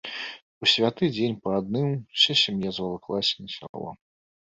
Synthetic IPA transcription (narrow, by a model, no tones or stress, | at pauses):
usʲvʲat̪ɨd͡zʲenʲpɐad̪nɨmsʲɛsʲimjazvalˠɐklˠasʲinʲɐsʲa̰lˠɔ̰